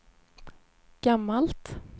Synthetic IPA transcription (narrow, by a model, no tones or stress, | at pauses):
ɡ̥amːalt̪